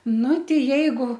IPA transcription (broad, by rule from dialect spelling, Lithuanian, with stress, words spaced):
ˈnʊ ˈtʲɪ ˈjɛɪɡʊ